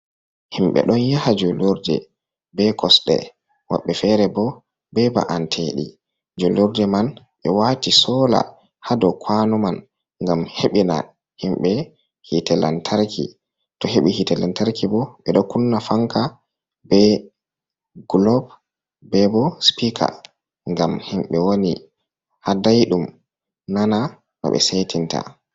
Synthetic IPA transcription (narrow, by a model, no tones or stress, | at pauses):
himɓɛ̰ɗɔnjahad͡ʒɔloɾdɛ̰ | bɛkʰɔsɗɛ̰ | wa̰ɓːɛfɛɾɛbɔ | bɛba̰ʔantʰeɗḭ | d͡ʒoloɾdɛman | ɓɛwaːtisɔːla̰ | hadɔkʰwanuman | ŋɡamheɓina̰ | himɓɛ | hitɛla̰ntʰaɾkʰḭ | tɔheɓihitɛlantaɾkibɔɓɛɗɔkunːafaŋka | bɛ | ɡlɔb | bɛbɔspikʰa̰ | ŋɡamhimɓɛwoni | hadajɗum | nana | ma̰ɓɛ̰setʰinta̰